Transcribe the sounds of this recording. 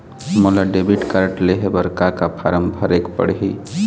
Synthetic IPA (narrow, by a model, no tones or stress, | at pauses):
molaɖebiʈkaɾəʈleɦebəɾkakapʰaɾəmbʱəɾekpə̰ɽɦi